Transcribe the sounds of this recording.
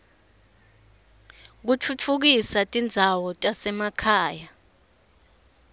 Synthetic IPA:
k̬ut͡fʰut͡fʰuk̬isatʼind͡zʱawɔtʼasɛmakʰaːja

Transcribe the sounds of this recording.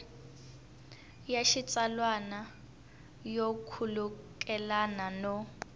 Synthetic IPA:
jaʃit͡sʼalwana | jokʰulukʼɛlananɔ

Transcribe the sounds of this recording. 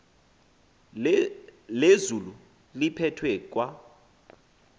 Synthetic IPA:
lezulu | lipʰɛtʰwɛkʼwa

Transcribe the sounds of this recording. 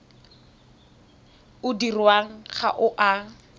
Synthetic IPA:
ʊdirwaŋ̩χa̰ʔʊʔa

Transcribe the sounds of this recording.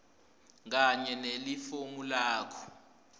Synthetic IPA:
k̬aɲɛnelifoŋulaːkʰɔ̥

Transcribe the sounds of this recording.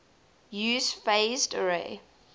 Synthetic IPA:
jʉːz̥feɪzdəɹḛ

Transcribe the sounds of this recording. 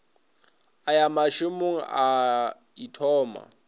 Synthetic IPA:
ajamaʃumuŋ̩a | itʰɔːma̰

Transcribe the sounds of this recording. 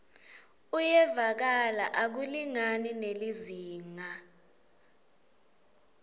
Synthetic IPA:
ujɛvak̬alaʔak̬uliŋanineliziːŋa

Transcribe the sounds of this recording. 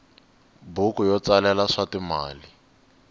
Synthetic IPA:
bukujɔt͡salɛlaʂatima̰ːli

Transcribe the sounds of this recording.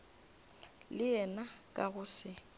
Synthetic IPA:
lɪɛnakʼa̰ɣʊsɪ

